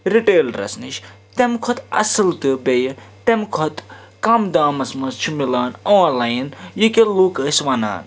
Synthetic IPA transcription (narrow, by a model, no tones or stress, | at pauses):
ɾiʈeːlɾɐ̰sniʃ | t̪emkʰɔt̪ɐ̰sɨlt̪ɨbej | t̪emkʰɔt̪ | kɐmd̪aːmɐsmɐst͡ʃʰumilaːnõːnlaːjnjikeluːkɐːsʋɐna̰ːn